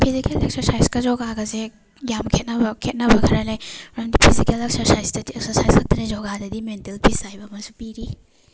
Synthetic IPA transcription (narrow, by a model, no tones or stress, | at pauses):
pʰizikelek̚sɐɾsajskɐzɔɡaɡɐze | jamkʰet̚nɐbɐkʰet̚nɐbɐkʰɐɾɐlejɾɐmdipʰizikelek̚sɐɾsajsdɐdieksɐɾsajskʰɐk̚tɐnizɔɡadɐdimentelpʰisajbɐmɐsupiɾi